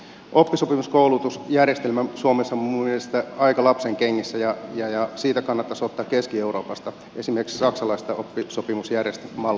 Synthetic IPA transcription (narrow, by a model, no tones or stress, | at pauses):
ʔopːisopimuskoulut̪usjærjest̪elmæsuomesːɑmumielest̪æɑikɑlɑpseŋkeŋːisːæjɑjɑjɑsiːt̪ækɑnːɑt̪ːɑsot̪ːɑːkːeskieuro̞ːpɑst̪ɑ | esimerkssɑksɑlɑist̪ɑʔopːisopimusjærjest̪æmɑl